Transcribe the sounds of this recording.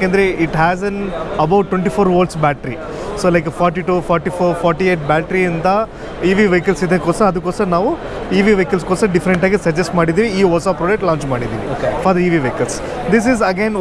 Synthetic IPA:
keːnd̪ɐɾeiʈɦæːzɐnɐbɐwʈːweɳʈifʰoːɾʋoːlʈsbæːʈɾi | soːlɐjkfɔːɾʈiʈuːfʰɔːɾʈifoːɾfɔːɾʈieːʈ̚bæːʈɾiɐnd̪ɐ | iːʋiʋejkɐlsid̪ekoːsɐɐd̪ukːoːsɐɐnaːʋu | iːʋiʋejkɐlskoːsɐɖifɐɾeɳʈaːɡisɐd͡ʒesʈmaːɽid̪iːʋiiːoːsapɾoːd͡ʒek̚ʈlãːnɲt͡ʃmaːɽid̪ḭːʋḭokefɔːɾd̪ɐiːʋiʋeːkɐls | d̪is̬izɐɡen

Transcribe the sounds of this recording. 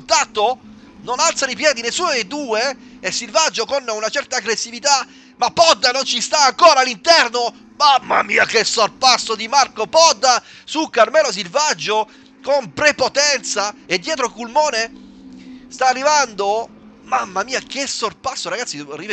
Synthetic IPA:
ut̪at̪ːo | nonalt̪sanijpjɛːd̪inesːuːnod̪ejd̪uːe | esːilvad͡ʒːokonunat͡ʃɛrt̪aːɡɾesːivit̪a | mapːɔd̪ːanont͡ʃist̪aːŋkoːɾalːint̪ɛrno | mamːa̰mḭːakesːorpasːod̪imarkopɔd̪ːa | sukːarmɛlos̬ilvad͡ʒːo | kompɾepot̪ɛnt̪saed̪ːjɛːt̪ɾokulmɔːne | st̪aːrːivand̪o | mamːamiːakesorpasːoɾaɡat̪siriv

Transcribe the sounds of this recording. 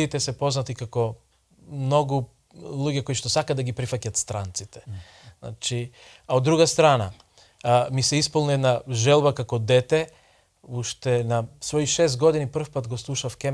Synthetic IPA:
it̪ɛsɛpoznat̪ikakɔ | mnoɡu | lˠuɟɛkoiʃt̪ɔsakad̪aɡipɾifacat̪st̪ɾant̪sit̪ɛ̥ | na̰t͡ʃi | aod̪ːɾuɡast̪ɾana̰ | misɛispulˠnɛd̪naʒɛlˠbakakɔd̪ɛt̪ɛ | uʃt̪ɛnasvoiʃɛst̪ɡod̪inipr̩fpat̪ɡɔslˠuʃafkɛ

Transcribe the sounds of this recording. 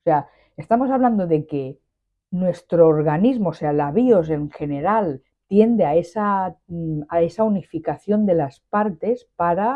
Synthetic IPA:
osea | est̪amo̞saβland̪oðe̞ke | nwe̞st̪ɾoːɾɣanizmoːsealaβiose̞ŋxe̞ne̞ɾal | t̪je̞nd̪eae̞sa | ae̞saunifikaθjo̞nd̪e̞laspaɾt̪e̞spaɾa

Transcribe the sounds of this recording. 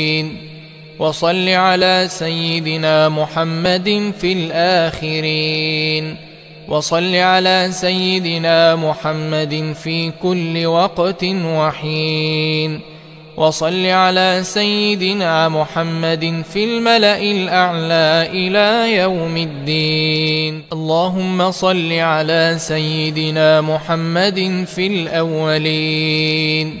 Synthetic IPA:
n | wɑsˤɑlːiːʕalaːsajːɪd̪ɪnaːmʊħamːad̪nfilʔaːxɪɾiːn | wʔɑsˤɑlːiːʕalaːsajːɪd̪ɪnaːmʊħamːad̪nfiːkʊlːɪwɑqt̪nwaħiːn | wʔɑsˤɑlːiʕalaːsajːɪd̪ɪnaːmʊħamːad̪ɪnfilmalaʔɪlʔaʕlaːʔɪlaːjawmɪd̪ːiːnʔɑlˤːɑːɦʊmːasˤɑlːiʕalaːsajːɪd̪ɪnaːmʊħamːad̪ɪnfilʔawːaliː | n

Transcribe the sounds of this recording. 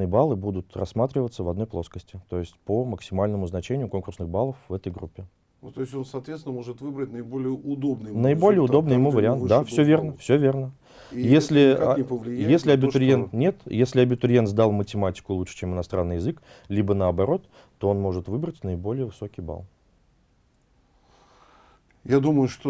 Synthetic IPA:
ɨjəbalˠɨbud̪ʊt̪rɐsːmat̪ɾʲɪvət̪səvɐd̪no̞jʲplˠo̞skəsʲtʲɪt̪o̞jɪsʲtʲpəməksʲɪmalʲnəmʊznɐt͡ɕenʲɪjʊkonkʊrsnɨɣbalˠəfvːɛt̪əjɡɾupʲːɪ | t̪oɪsʲonsɐt̪vʲet̪sʲɪnəmoʐɨt̪vɨbɾətʲnəɪbolʲɪjəʊd̪obnɨjnəɪbo̞lʲɪjəʊd̪o̞bnɨjɪmuvəɾʲɪant̪d̪afsʲɵvʲe̞rnəfsʲovʲe̞rnə | jesʲlʲɪɪəvlʲɪjjesʲlʲɪɐbʲɪʊɾʲjent̪nʲet̪jesʲlʲɪɐbʲɪt̪ʊɾʲje̞nt̪zd̪alˠmətʲɪmatʲɪ̥kʊlˠuʂɨ̥t͡ɕemɨnɐst̪ɾʔanːɨjɪzɨklʲibənəɐbɐɾo̞t̪ː | o̞onmo̞ʐɨt̪vɨbɾətʲnəɪbo̞lʲɪjəvɨso̞kʲɪjba̰lˠ | jad̪uməjʊʂt̪o

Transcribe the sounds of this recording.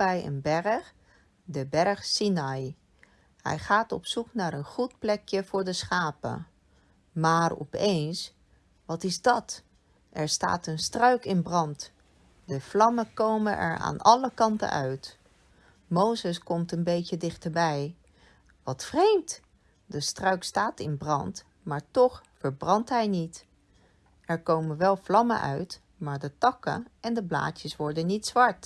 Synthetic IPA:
ɛjə̰nbɛɹχ | dəbɛɹχsinɑj | hɛ̰jχaːtɔ̰psuknaːɹənχut̚plɛkjəvʊːɹdəsχaːpə̰ | maːɹɔ̰pejns | ʋɑtɪzdɑt | ʔɛɹsta̰ːtənstrœɥkɪnbrɑnt | dəv̥lɑməkowmənʔɛ̰ɹa̰ːnɑləkɑntə̰œɥt | mowzəskɔmtənbejcədɪχtəɹbɛj | ʋɑtfrejmt | dəstrœɥkstaːtɪnbrɑnt | maːɹtɔχfəɹbrɑntɦɛjnit | ɛɹkowmənʋɛlˠvlɑmə̰ʔœ̰ɥt | maːɹdətɑkə̰ɛndəbla̰ːcəsʋɔɹdənːitsʋɑɹt

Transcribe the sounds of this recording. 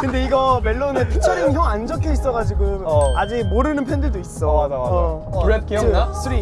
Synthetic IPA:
kɯnde̞iɡʌme̞ɭːonetʰut͡ɕʰaɾʌŋçjʌŋand͡ʑʌkʰjʌis͈ʌɡad͡ʑiɡoad͡ʑimoɾɯnɯnpʰendɯdoiss͈ʌad͡ʑaa | uɭet̚k͈iɯasʰɯɾi

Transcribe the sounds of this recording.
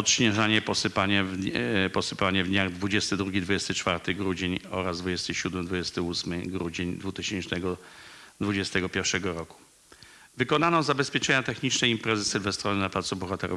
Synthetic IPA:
ɔt̪ɕɲɛʐaɲɛpɔsɘpaɲɛvpɔsɘpaɲɛvd̪ɲaɡd̪vud͡ʑɛst̪ɘd̪ɾuɡʲid̪vud͡ʑɛst̪ɘt͡ʂfaɾt̪ɘɡɾud͡ʑeɲɔ̰ɾazd̪vud͡ʑɛst̪ɘɕud̪mɘd̪vud͡ʑɛst̪ɘusmɘɡɾud͡ʑeɲd̪vut̪ɘɕɛnt͡ʂnɛɡɔd̪vud͡ʑɛst̪ɛɡɔpʲjɛɾfʂɛɡɔɾɔku̥ | vɘkɔnanɔzabɛspʲjɛt͡ʂɛɲat̪ɛxɲit͡ʂnɛjimpɾɛzɘsɛlvɛst̪ɾɔnɘnaplat̪subɔxat̪ɛɾʔɔ̰

